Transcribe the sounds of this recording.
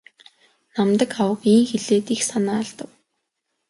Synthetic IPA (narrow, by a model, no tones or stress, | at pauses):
namt̪ə̆kawə̆kiːŋxeɮeːt̪ixsanaːɮt̪ə̆w